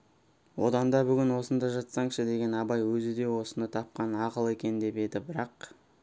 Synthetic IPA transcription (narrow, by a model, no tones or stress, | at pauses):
wo̰d̪ɑnd̪ɑbʏɡʲɪnwo̞sənd̪ɑʒɑt̪sɑɴʃəd̪e̞ɡʲe̞nɑbɑjwɵzɪd̪e̞wo̞sənət̪ʰɑp̚qɑnɑqəlˠe̞kʲe̞nd̪e̞pe̞d̪ɪbɪɾɑq